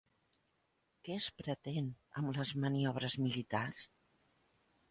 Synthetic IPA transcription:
kɛəspɾət̪en | ə̰mləzməniɔβ̞ɾəzmilit̪ars

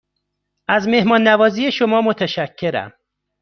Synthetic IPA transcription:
ʔæzme̞hmɒːnːævɒːziːjeʃomɒːmot̪ʰæʃæcʰːe̞ɾæ̰m

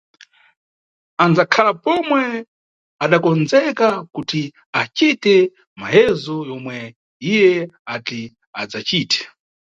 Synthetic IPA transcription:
and͡zakʰalapɔmwɛ | aɗakɔnzɛkakuti | at͡ʃitɛ | ma̰jɛzɔjɔmwɛ | ijɛati | ad͡zat͡ʃiːtʰɛ̥

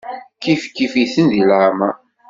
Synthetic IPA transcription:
kifkifiθənðilʕma

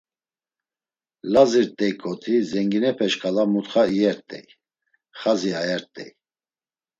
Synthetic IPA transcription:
laziɾt̪ʼɛjkʼɔt̪ʰizɛŋɡinɛpʰɛʃkʰʼalamut̪χaiɛɾt̪ʼɛ̰j | χaziajɛɾt̪ʼɛ̰j

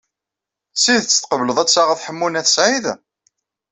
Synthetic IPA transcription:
siðt͡sːt̪qəvləðˤæt͡sːaʁəθħəmːunæθəsʕið

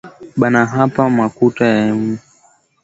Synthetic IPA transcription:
ɓanaɦapamakutajaɛmu

